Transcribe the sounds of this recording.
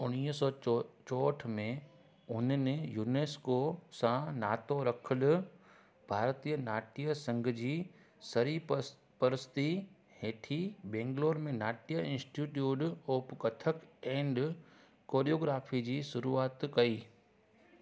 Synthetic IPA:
ʊniːsɔːt͡ɕɔːʈʰmẽ | ʊnnɪjuːneːskosãnaːt̪oɾɐkʰəlʊ | bʱaːɾt̪ijənaːʈijəsɐ̃ŋɡʱd͡ʑiː | sɐɾi | pɐɾɪst̪i | heːʈʰibẽːŋɡloːɾmẽnaːʈijəɪ̃nsʈiʈjuːɖoːpkɐt̪ʰəkɛ̃ːɳɖ | koːɾijoːɡɾaːfʰid͡ʑiːʃʊɾuːaːt̪kɐiː

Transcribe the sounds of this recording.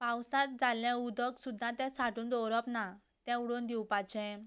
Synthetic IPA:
pawsãt̪̚d͡zaljãud̪ʱɔksud̪ʱːãt̪ɛ̃saʈũːnd̪ɔɾɔpna | t̪ɛ̃uɽond̪iwpat͡ɕɛ̃

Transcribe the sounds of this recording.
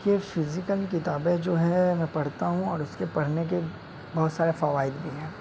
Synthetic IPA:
kefɪzɪkəlkɪt̪aːbed͡ʒoːɦɛmɛ̃ːpɐɽt̪aɦũɔːɾʊskepɐɽ̤nek̬e | bɐɦʊt̪saːɾefɐʋaːɪd̪bʱiɦɛ̃ː

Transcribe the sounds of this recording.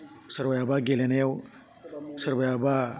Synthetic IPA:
səɾbəjabaɡelenajaw | səɾbəjaba

